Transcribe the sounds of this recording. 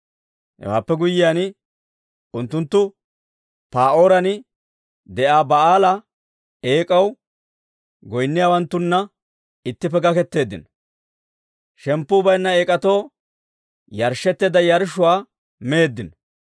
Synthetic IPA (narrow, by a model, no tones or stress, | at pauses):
hɛ̰wa̰ːpːɛɡʊjːɪjaːnɪ | ʊnt̪ːʊnt̪ːʊ | paːʔoːɾɐnɪ | d̪ɛʔaːbɐaːlɐ | eːkʼɐw | ɡɔjnːɪjaːwɐnt̪ːʊnːɐ | ɪt̪ːɪpːɛɡɐkɛt̪ːe̞ːd̪ːɪ̰nɔ | ʃɛmpːʊbɐjnːɐeːkʼɐt̪o̞ː | jɐɾʃɛt̪ːeːd̪ɐjɐɾʃʊwaː | meːd̪ːɪnɔ